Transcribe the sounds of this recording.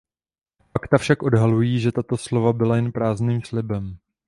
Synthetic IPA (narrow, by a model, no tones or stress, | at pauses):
fakt̪afʃakʔo̞dɦalujiːʒɛt̪at̪o̞slo̞vabɪlajɛnpɾaːzniːmslɪbɛm